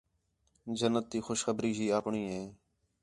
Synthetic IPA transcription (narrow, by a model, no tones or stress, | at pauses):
d͡ʒənːət̪ːiːxoʃxəbɾiːɦiːaːpɳiːɦeː